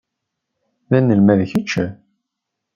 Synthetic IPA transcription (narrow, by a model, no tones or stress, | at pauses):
ðænːəlmæðçət͡ʃːæ